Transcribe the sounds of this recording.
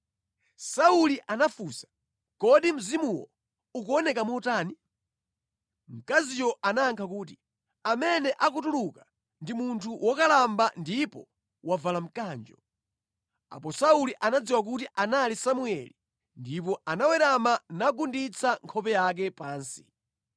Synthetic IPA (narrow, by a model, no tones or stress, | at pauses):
sauliʔanafusḁ | kɔɗim̩zimuwɔ̰ | ukuɔnɛkamɔtaːni | m̩kazijɔʔanaːŋkʰak̬uːt̬i | amɛnɛʔakut̬uluka | ndimuntʰuwʔɔkalambandipɔ̰ | wavalam̩kaːnd͡ʒɔ | a̰pɔsauliʔanad͡ziwak̬utiʔanalisamuɛ̰li | ndip̬ɔanawɛɾamanaɡundit͡sʰaŋkʰɔpɛjak̬ɛpaːnsi̥